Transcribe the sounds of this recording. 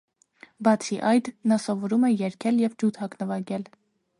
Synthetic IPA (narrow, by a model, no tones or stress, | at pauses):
bɑt͡sʰiʔɑjd̪nɑsɔvɔɾumɛjɛɾkʰɛljɛvd͡ʒut̪hɑknəvɑɡɛl